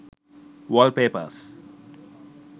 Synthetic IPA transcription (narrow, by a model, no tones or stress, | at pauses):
ʋɔːlpeːpə̰s